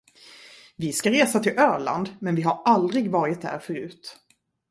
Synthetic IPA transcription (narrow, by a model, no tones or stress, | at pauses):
vɪskaɾeːsat̪ʰɪlʔœːɭa̰nd̪mɛnvɪɦaɾald̪ɾɪɡvɑːɾɪt̪̚d̪æ̰ːɾfœɾʉ̟ːt̪